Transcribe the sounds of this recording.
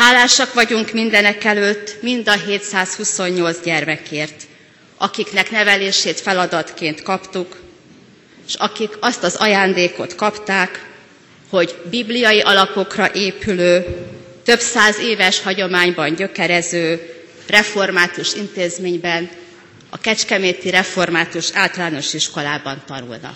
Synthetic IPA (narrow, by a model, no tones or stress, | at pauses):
haːlːaːʃɒkʋɒɟuŋkmind̪ɛnɛkɛløːt̪ːmind̪ɒɦeːt̪saːshuso̞ɲːo̞lzɟɛrmɛkeːrt̪ | ʔɒkiknɛknɛvɛleːʃeːt̪fɛlɒd̪ɒt̪keːnt̪kɒpt̪uk | ʃɒkikɒst̪ɒzɒjaːnd̪eːko̞t̪kɒpt̪aːk | ho̞ɟbiblijɒjiʔɒlɒpokrɒʔeːpyløːt̪ø̞bsaːzeːvɛʃhɒɟo̞maːɲbɒɲɟø̞kɛɾɛzøː | rɛfo̞rmaːt̪uʃint̪eːzmeːɲbɛn | ɒ̰kɛt͡ʃkɛmeːt̪iɾɛfo̞rmaːt̪uʃaːlt̪ɒlaːno̞ʃiʃko̞laːbɒnt̪ɒnṵlnɒ̰k